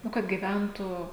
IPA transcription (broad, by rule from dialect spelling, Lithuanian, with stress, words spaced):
ˈnʊ kɐt ɡʲiːˈʋʲɛntuː